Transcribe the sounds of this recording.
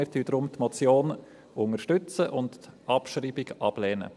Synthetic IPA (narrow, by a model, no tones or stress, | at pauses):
ɪɾtyːdɾʊmtmot͡sjoːn | ʊŋəʃtʏt͡səʔʊntːʔɑpʃriːbɪɡɑb̥lɛːnə̰